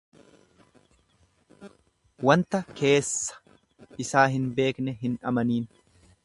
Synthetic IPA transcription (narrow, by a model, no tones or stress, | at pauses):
wɐnt̪ɐkʰe̞ːsːɐ̥ | ʔɪsaːɦɪnbe̞ːknɛɦɪnʔɐmɐniːn